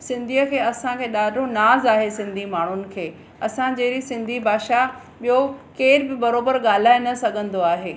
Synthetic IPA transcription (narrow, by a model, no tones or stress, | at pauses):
sɪ̃nd̪ʱiːəkʰeːɐsãkʰeːɗaːɖʱonaːzaːɦesɪ̃nd̪ʱimaːɳ̤ʊnɪ̆kʰeː | ɐsãd͡ʑɐːɾisɪ̃nd̪ʱibʱaːʃa | ɓijokeːɾbɪbɐɾoːbəɾɠaːl̤aːɪnɐsɐɡʱə̃nd̪oaːɦeː